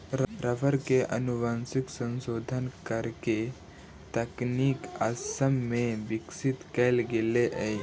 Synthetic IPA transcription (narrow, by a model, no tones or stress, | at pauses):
ɾɾəfəɾkeʔənuʋansiksə̃nsod̪ʱənkəɾke | t̪əkniːkasəmːeʋiksit̪kejlɡeleʔəj